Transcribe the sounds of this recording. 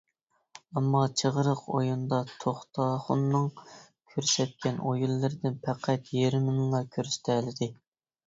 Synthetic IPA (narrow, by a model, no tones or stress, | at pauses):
ɛmːɑt͡ʃʰəʁəɾəqo̰jund̪ɑt̪ʰoχt̪ʰɑχʊnːɨŋ | kʲʰøɾsɛt̪̚kʲʰɛnʔojulˠːɨɾɪd̪ɪnpʰæqʰæt̪jeɾɪnɨmlˠɑkʲʰøɾsɪ̥t̪ʰɛlɪd̪ɪ